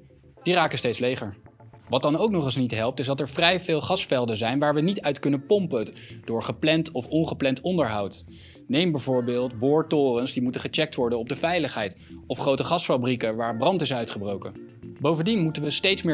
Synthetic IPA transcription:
diraːkənstejtslejχəɹʋɑt̚dɑnowknɔχəsnitɦɛlˠp̚tɪzdɑtɛɹvrɛjvɪːlˠχɑsfɛlˠdəzɛjnʋaːɹʋənitœɥtkɵnəpɔmpəd̥ʊːɹχəplɛntɔfɔnχəplɛntɔndəɹɦɑwt | nejmbɛjvʊːɹbɪːlˠd̚bʊːɹtʊːrənsdimutəχət͡ʃɛk̚tʋɔɹdənɔb̚dəvɛjləχɦɛjt | ɔfχrowtəχɑsfabrikəʋaːɹbrɑntɪsœɥtχəbrowkə | bowvəndinmutənʋəstejtsmɪː

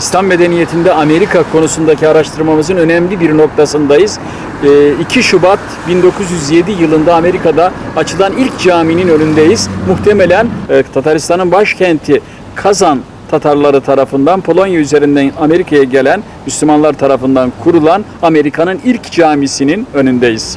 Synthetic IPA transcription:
ist̪ʰamme̞d̪e̞nije̞t̪ʰind̪ɛame̞ɾikʰakʰo̞nusund̪acʰiaɾaʃt̪ʰɯɾmamɯzɯnø̞nɛmlʲibiɾno̞k̚t̪ʰasɯnd̪ajɯz̥ | icʰiʃubat̪̚ | bind̪o̞kʰuzjyzje̞d̪ijɯlˠɯnd̪aːme̞ɾikʰad̪aːt͡ʃʰɯlˠanilʲcd͡ʒaːmininø̞lʲynd̪ejiz̥muxt̪ʰe̞me̞lʲænt̪ʰat̪ʰaɾist̪ʰanɯnbaʃcʰɛnt̪ʰi | kʰazan | t̪ʰat̪ʰaɾlˠaɾɯt̪ʰaɾafɯnd̪anpʰo̞lˠo̞njayze̞ɾind̪æname̞ɾikʰajaɟe̞lʲæn | myslʲymanlˠaɾt̪ʰaɾafɯnd̪ankʰuɾulˠan | ame̞ɾikʰanɯnilʲcd͡ʒaːmisininø̞nynd̪ejiz̥

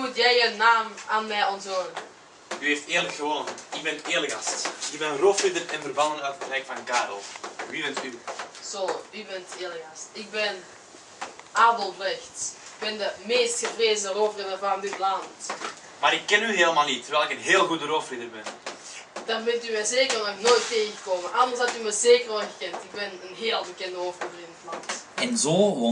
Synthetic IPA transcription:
utjɛjənaːmaːnmɛjɔnzoː | yeːfteːrləkxəʋonənɪɡbɛntɪːrləka̰stɪɡ̚bɛnənrofrɪdərɛnvərbɑndənœtxərɛjk̚tfɑnkaːɾɔlˠʋibɛntysoybɛnteːləkastɪk̚bɪn | ʔaːdəlˠlɪxtɪɡ̚bɛndəmeːstxəvreːzənəroːvərənəvaːndɪtlɑnt | maːɾɪkːɛnyɦeːləmaːlˠnitːərʋɛːlɪkənɦeːlˠɣudəɾoːfridərbɛn | d̥arbɛntymɛjzeːkərnɔxnoːjtːeːɣəɣəkoːməʔɑlˠmlˠshɑtymɛzeːkərɔɣəkɛntɪɡ̚bɛnənɦeːlˠbəkɛndəɦofruvərɪndɪtlɑntɛnzoː

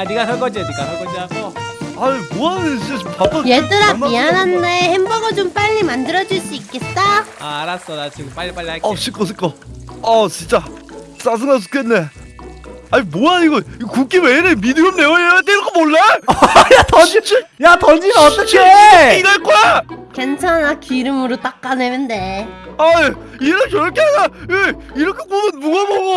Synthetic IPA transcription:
aniɡasʰʌɭk͈ʌd͡ʑiniɡasʰʌɭkʌd͡ʑiaɡoaɲimoant͡ɕint͡ɕat͡ɕompap͈ajet͈ɯɾapiananːehembʌɡɯd͡ʑomp͈aʎːimandɯɾʌd͡ʑuɭs͈uik͈e̞t̚t͈aaɾas͈ʌdat͡ɕiɡɯpaʎːipaʎːiaʌɕʰik͈ʌs̬ʰɯk͈ʌʌt͡ɕint͡ɕ͈a | s͈as̬ʰɯŋas̬ʰu̥k͈enːe | aɲimojaiɡʌiɡkuk͈ʰiweɾemidɯɾɯmneoat̪̬͈eiɾʌkʰemoɭːejatʌd͡ʑit͡ɕijatʌnd͡ʑinʌt͈ːɯt͡ɕʰeinaɭk͈ojakwe̞nt͡ɕʰanakiɾɯmɯɾot͈ak͈ːanenɯndeae | iɾʌkjʌɾʌkʰeanaieiɾʌkʰek͈omʌnmuɡaboɡo

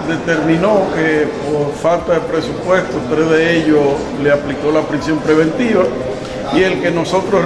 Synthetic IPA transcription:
d̪e̞t̪e̞ɾmĩno̞kepoɾfalt̪aðe̞pɾe̞supwe̞st̪ost̪ɾezðeeʎo | leapliko̞lapɾisjo̞mpɾe̞β̞ẽ̞nt̪iβa | ie̞lke̞no̞so̞t̪ɾo

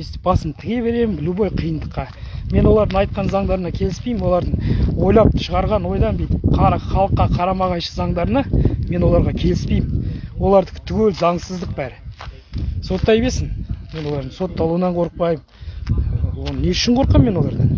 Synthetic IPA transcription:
est̪ɪ̥b̥ɑsəmt̪ʰɪɡʲe̞βe̞ɾe̞mɪnbɪlubojqʰijənd̪əqːɑ | me̞nwo̞lˠɑɾd̪əɴɑjt̪̚qɑnzɑɴd̪ɑɾənɑkʲʰe̞lɪspejmɪmwo̞lˠɑɾd̪əɴwo̞jlˠɑp̚ʃəʁɑɾʁɑnwo̞jd̪ɑnbejt̪ɪpqʰɑχɑlˠəqːɑqʰɑɾɑmɑʁɑjʃə̥zɑɴd̪ɑɾənɑme̞nwo̞lˠɑɾʁɑkʲʰe̞lɪspejɪnwo̞lˠɑɾd̪əkʰt̪ʰːʏɡʲelzɑɴsəzd̪əq̚bæɾɪ | so̞t̪ːɑjebesɪnme̞nwo̞lˠɑɾd̪əɴso̞t̪ːɑlˠuwənɑɴqʰo̞ɾəq̚pɑjəm | wonəneʏ̥ʃɪɴqʰo̞ɾəqːɑmːe̞nwo̞lˠɑɾd̪ɑn

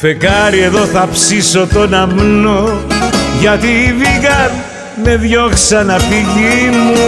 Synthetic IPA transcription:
fe̞kɐɾie̞ðo̞θɐpsiso̞t̪o̞nɐmno | ʝɐt̪iviɣɐn | me̞ðʝo̞ksɐnɐfiʝimu

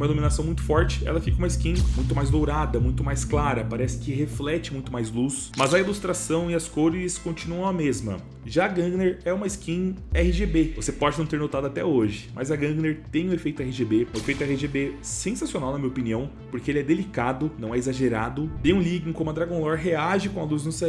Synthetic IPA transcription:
mɐiluminasɐ̃w̃mũj̃t̪ʊ̥fɔɾt͡ʃɪ̥ɛ̰lɐfikɐũmɐiskĩmũj̃t̪ʊmajzd̪owɾad̪ɐmũj̃t̪ʊmajsklaɾɐpaɾɛsɪ̥kɪɦeflɛt͡ʃɪmũj̃t̪ʊmajzlus | mɐzɐilust̪ɾasɐ̃w̃ɪɐskoɾɪskõnt͡ʃinuɐ̃w̃ɐmezmɐ̰ | ʒaːɡɐ̃ɡneɾɛũmɐiskĩɛhɪʒebevosepɔd͡ʒɪnɐ̃w̃t̪eɾnot̪ad̪ʊat̪ɛoʒɪmʔɐ̰zɐɡɐ̃ɡneɾt̪ẽj̃ʊ̃efejt̪ʊɛhɪʒebeʊefejt̪ʊɛhɪʒebesẽsasionawnɐmĩɲɐopiniɐ̃w̃ | poɾkeelɪɛd̪elikad̪ʊnɐ̃w̃ɛezaʒeɾad̪ʊt̪ẽj̃ũliɡĩŋkõmʊɐd̪ɾaɡõlɔɾɦeaʒɪkõɐluznʊse

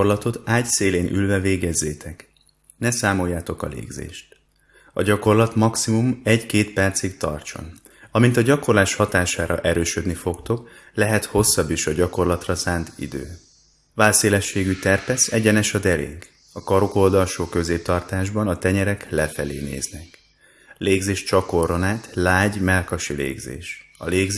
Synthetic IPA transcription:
rlɒt̪o̞t̪aːɟseːleːnʔy̰lvɛveːɡɛzːeːt̪ʰɛk | nɛsaːmo̞jːaːt̪o̞kɒ̰lḛːɡzḛːʃt̪ | ɒɟɒko̞rlɒt̪mɒksimumɛɟkeːt̪pɛrt̪sikt̪ɒ̰rt͡ʃo̞̰n | ɒmint̪ɒɟɒko̞rlaːʃhɒt̪aːʃaːɾɒ̰ʔɛɾøːʃød̪nifo̞kt̪o̞k | lɛɦɛt̪ho̞sːɒbːiːʃɒɟɒko̞rlɒt̪rɒsaːnt̪ḭd̪ø̰ː | vaːlseːlɛʃːeːɡyt̪ɛrpɛsɛɟɛnɛʃɒd̪ɛɾḛːŋk | ɒkɒɾoko̞ld̪ɒlʃoːkø̞zeːp̚t̪ɒrt̪aːʒbɒnɒt̪ɛɲɛɾɛklɛfɛleːnḛːznɛk | leːɡzeːʃt͡ʃɒko̞ro̞naːt̪laːɟmɛlkɒʃilḛːɡzḛːʃɒ̰leːɡ

